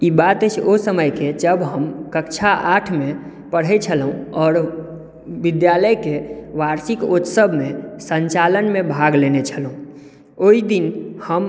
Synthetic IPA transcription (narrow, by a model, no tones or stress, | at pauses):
ibat̪ɛt͡ʃʰosəməjked͡ʒəbɦəmkəkt͡ʃʰaʔaʈʰme | pəɽ̤ɛt͡ʃʰəlɦũɔːɾ | ʋɪd̪jaləjkeʋaɾsikot̪səbʱmesəɲt͡ʃalənmẽbʱaɡlenet͡ʃʰəlɦũ | oid̪inhəm